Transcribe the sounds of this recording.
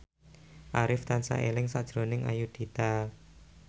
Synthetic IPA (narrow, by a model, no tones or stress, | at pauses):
ʔaɾɪft̪ansa̰ʔelɪŋsad̥ʒ̥ɾonɪŋa̰jud̪̥i̤t̪a